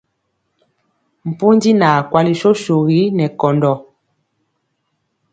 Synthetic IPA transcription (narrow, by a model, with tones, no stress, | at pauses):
m̩˨pu˦ndi˦naː˨kwa˦li˨ʃo˦ʃo˨ɣi˨˦nɛ˨kɔ˨ndɔ˨